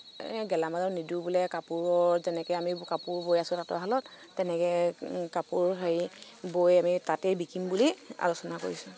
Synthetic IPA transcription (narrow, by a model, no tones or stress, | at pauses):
ɛɡɛlamazɔɹnidubulɛkapuɹɔɹɹzɛnɛkɛjamikapuɹbojasʊ̃tatɔ̰ɦalɔtː | ɛnɛkɛkapuɹɦei | bojamitatɛbikimbulia̰losɔnako̰ɹisʊ